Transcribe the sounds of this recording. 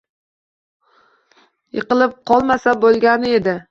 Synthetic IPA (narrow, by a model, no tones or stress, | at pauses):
jɨqɨlˠɪp̚qʰɒlˠmasabolˠɡʲanɪe̞d̪ɪ